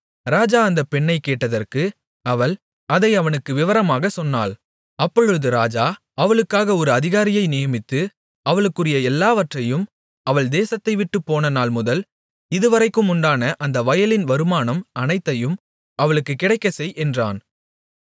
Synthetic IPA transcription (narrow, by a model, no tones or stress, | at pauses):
ɾaːd͡ʒaːɐnd̪ɐpɛɳːɐɪkeːʈːɐðɐrkɯ | ɐʋɐɭ | ɐðɐɪɐʋɐnɯkːɯʋɪʋɐɾɐmaːɣɐsɔnːa̰ːl | ɐpːɔɻɯðɯɾaːd͡ʒaː | ɐʋɐɭɯkːaːɣɐɔɾɯɐðɪɣaːɾɪjɐɪnɪjɐmɪt̪ːɯ | ɐʋɐɭɯkːɯrɪjɐɛlːaːʋɐʈrɐjɯm | ɐʋɐɭd̪eːsɐt̪ːɐɪʋɪʈːɯpːoːnɐnaːlmʊðɐl | ɪðɯʋɐɾɐɪkːɯmʊɳɖaːnɐʔɐnd̪ɐʋɐjɐlɪnʋɐɾɯmaːnɐmɐnɐɪt̪ːɐjɯm | ɐʋɐɭɯkːɯkːɪɽɐɪkːɐsɛjʔɛndra̰ːn